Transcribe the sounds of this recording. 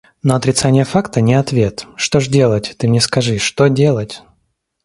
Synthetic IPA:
noɐt̪ɾʲɪt̪sanʲɪjəfakt̪ənʲɪɐt̪vʲe̞t̪ʂt̪o̞ʐdʲe̞lˠətʲt̪ɨmnʲɛskɐʐɨʂt̪odʲelˠətʲ

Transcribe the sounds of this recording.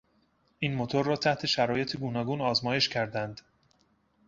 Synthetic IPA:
ʔiːnmo̞t̪ʰoɾːɒːt̪ʰæht̪ʰe̞ʃæɾɒːje̞t̪ʰeɡuːnɒːɡuːnɒːzmɒːje̞ʃcʰæɾd̪ænd̪

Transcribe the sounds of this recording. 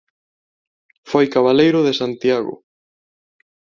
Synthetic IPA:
fojkaβalejɾʊðesant̪jaɣʊ̰

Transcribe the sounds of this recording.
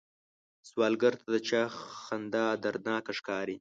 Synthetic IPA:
swɑːlɡaɾt̪ʰad̪ət͡ʃɑːxand̪ɑd̪aɾnɑːkaʂkɑːɾi

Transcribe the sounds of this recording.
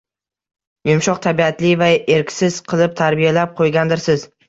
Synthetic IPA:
jʊmʃɒqt̪ʰabiat̪lɪvae̞ɾkʲʰsɪz̥qʰɨlˠɪp̚t̪ʰaɾbijalap̚qʰojɡʲand̪ɪɾsɪz

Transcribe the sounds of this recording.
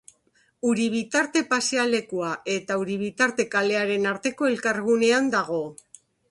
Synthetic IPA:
uɾiβ̞it̪aɾt̪e̞paseale̞kuaʔe̞t̪auɾiβit̪aɾt̪e̞kale̞aɾe̞naɾt̪e̞ko̞e̞lkaɾɣune̞and̪aɣ̞o̞

